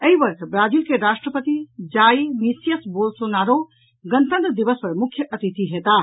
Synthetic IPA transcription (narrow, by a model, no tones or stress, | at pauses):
əibəɾkʰbɾad͡ʒiːlkeɾaʃʈɾəpət̪id͡ʒaːjmisijəsbolsonaɾo | ɡənt̪ə̃nt̪əd̪ibəspəɾmukʰːjəʔət̪it̪iɦet̪a